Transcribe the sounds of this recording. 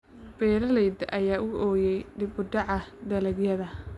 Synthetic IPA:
b̥ɛːɾɐlɛjd̪ʔɐjaːʔʊʔɔːjɛjɖɪbʊd̪ɑʕɑd̪ɐlɐɡjɐðɐ

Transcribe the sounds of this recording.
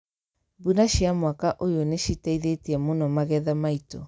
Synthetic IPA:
bunaʃiamwakaʔojoneʃitaiðeteɛmonɔmaɣɛðamaitɔ

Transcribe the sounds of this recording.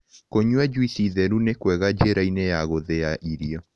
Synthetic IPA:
koɲwɛd͡ʒwisiðɛɾunekwɛɣad͡ʒeɾainejaɣoðeaʔiɾiɔ

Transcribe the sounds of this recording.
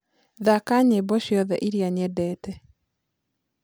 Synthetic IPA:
ðakaɲebɔʃjɔðɛʔiɾiaɲɛdɛːtɛ

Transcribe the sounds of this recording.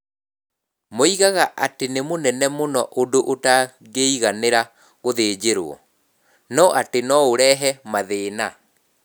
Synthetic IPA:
moiɣaɣaʔatenemonɛnɛmonɔʔodoʔota | ɡeiɣaneɾa | ɣoðeːd͡ʑeɾo̰ɔ̰ | nɔʔatenɔoɾɛɦɛmaðeːna

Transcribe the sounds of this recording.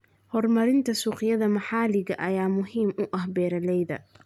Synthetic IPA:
hɔrmɐɾɪnt̪ʰɐsuːqɪjɐðɐmɐħaːlɪɣɐ̰ʔɐjaːmʊɦiːmʊʔɐhbɛːɾɐlɛjðɐ̰

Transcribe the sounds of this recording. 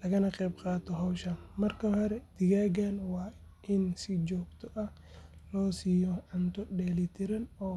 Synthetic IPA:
lɐɣɐnɐqɛːbqɑːt̪ɔɦɔwʃɐnmɐrkɐhɔɾɛd̪̥ɪɣaːɡanwɑː | ʔɪnsɪd͡ʒɔːɡt̪ʰɔʔɐh | lɔːsiːjɔʕant̪ɔɗɛːlɪt̪ʰɪɾɐnɔː

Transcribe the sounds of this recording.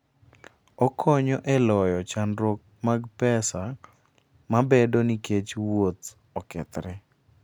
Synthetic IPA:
ɔkʰɔɲɔʔɛlɔjɔt͡ʃanɾok̚maɡpɛsa | mabedoniket͡ʃwot̪ | ɔkɛ̰t̪ɾɛ

